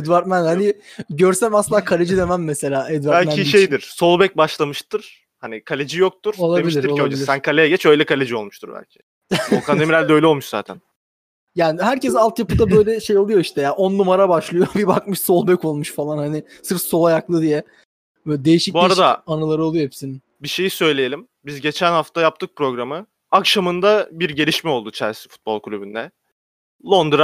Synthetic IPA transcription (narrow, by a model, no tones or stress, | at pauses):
ɛd̪vaɾt̪mænhanɪɟøɾsæmasɯnd̪akʰalʲed͡ʒid̪e̞mæmːɛse̞lʲaːɛd̪vaɾbælʲmæniʃejd̪iɾ̥so̞lˠbɛc̚baʃlˠamɯʃt̪ʰɯɾ̥ | hanikʰalʲed͡ʒijok̚t̪uɾ̥olˠaemilʲiɾiɾod͡ʒiisænkʰalʲejɛɟɛt͡ʃø̞jlʲɛkʰalʲed͡ʒio̞lˠmuʃt̪ʰuɾbæ̰lʲcʰi̥ | ukʰad̪emiɾælʲd̪ɛø̞jlɛo̞lˠmuʃza̰ːt̪ʰæ̰n | jaːnɪhæɾcɛsalˠt̪japɯd̪abø̞jlʲɛʃe̞jo̞lˠujo̞iʃt̪ɛjaːʔo̞nːumaɾabaʃlˠɯjobibakmɯʃso̞lˠbøko̞lˠmuʃfalˠanhanɪ | sɯɾfso̞lˠajaklˠɯd̪ijɛ | ɛd̪e̞jiʃicbuaɾad̪aanɯlˠaɾɯo̞lˠujohepsinin | biʃe̞jisø̞jlʲejelʲim | bizɟe̞t͡ʃʰænhaft̪ʰajap̚t̪ʰɯk̚pɾo̞ɡɾamɯ | akʃamɯnd̪abiɾɟe̞ɾʲiʃmɛo̞lˠd̪ut͡ʃʰæ̰ɾsi̥fu̥t̪̚bolˠklʲybynd̪ɛ | lˠo̞nd̪ɾa